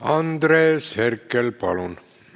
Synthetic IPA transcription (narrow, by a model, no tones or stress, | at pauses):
ɑnd̪reːsherkːelpɑ̰lon